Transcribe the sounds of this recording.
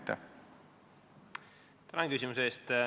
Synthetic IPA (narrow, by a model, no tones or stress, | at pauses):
t̪ːɛ̰ | t̪ænɑnkysʲimuseeːst̪